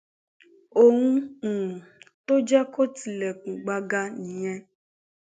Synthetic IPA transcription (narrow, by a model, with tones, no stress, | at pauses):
o˨hũ˦ũ˨to˦d͡ʒɛ˦ko˦ti˨lɛ˨kũ˨ɡ͡ba˧ɡa˧nĩ˨˦j̃ɛ̃˦